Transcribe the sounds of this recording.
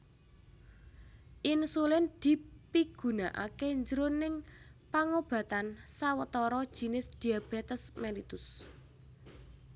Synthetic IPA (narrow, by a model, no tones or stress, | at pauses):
ʔinsulɪnd̪̥i̤piɡ̥ṳnaʔa̰keɲd͡ʒəɾonɪŋpaŋob̥ä̤t̪ansawət̪ɔɾɔd̥ʒ̥i̤nɪsd̪̥i̤ab̥ɛ̤t̪əsmɛlit̪ʊs